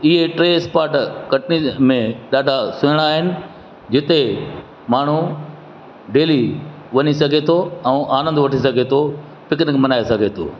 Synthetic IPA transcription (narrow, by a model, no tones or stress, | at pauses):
ɪɦeʈɾeːspaːɾʈkɐʈnimẽɗaːɖʱasʊɦəɽ̃aːɦɪnɪ̆ | d͡ʑɪt̪e | maːɳ̤u | ɖeːli | ʋɐɲisɐɡʱet̪ʰoɛ̃ːʔaːnə̃nd̪ʋɐʈʰisɐɡʱet̪ʰo | pɪkɪnkmɐnaːesɐɡʱet̪ʰo̰ː